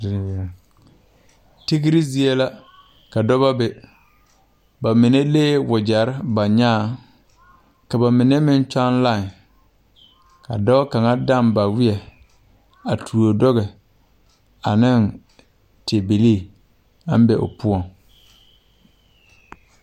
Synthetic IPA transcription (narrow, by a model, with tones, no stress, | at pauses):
ti˦ɡi˦ɾi˦zi˦e˦la˦ | ka˨dɔ˦ba˦bɪ˨ | ba˨mɪ˨ne˦leː˦wʊ˨d͡ʒa˨ɾɪ˦ba˨ɲaː˦˨ | ka˨ba˨mɪ˨nɛ˦mɪ˦n˦t͡ʃa˦nla˦˨ŋ | ka̰˨dɔ˦ka˨ŋa˦da˦˨mba˨wɪ˦ɛ˨ | a˨tʰu˨o˨dɔ˦ɣɛ˨ | a˨nɪ˦˨n | tʰe˨be˨le˦˨ | a̰˦m˦bɛ˨ʔʊ̰˨pʊ˦ɔ˨ŋ